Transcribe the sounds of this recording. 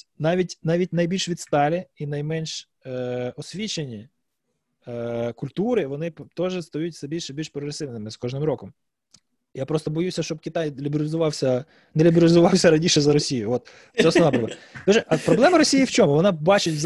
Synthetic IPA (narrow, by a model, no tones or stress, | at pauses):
nɑʋʲitʲnɑʋʲit̚ʲnɐjbʲilʲʃʋʲid̪st̪ɑlʲɪinɐjmɛnʲʃ | ɔsʲʋʲit͡ʃenʲi | kʊlʲt̪uɾɪʋɔnɪpt̪ɔʒɛst̪ɔjutʲsɛbʲilʲʃɛbʲilʲʃpɾɔɡɾesɪʋnɪmɪskɔʒnɪmɾɔkɔm | japɾɔst̪ɔbɔjusʲɐʃt͡ʃɔb̚kʲɪt̪ɑjlʲibʲɪɾʲlʲɪzʊʋɑwsʲɐ | nɛlʲibʲɪɾʲɪlʲɪzʊʋɑwsʲɐɾɐnʲiʃɛzɐɾɔsʲijʊʋɔt̪ | sɛɔsɔʋnapɾɔblt̪ɔʒɛʔɐpɾɔblˠɛmɐɾɔsʲijiwt͡ʃɔmʊʋɔnɑbɑt͡ʃɪtʲz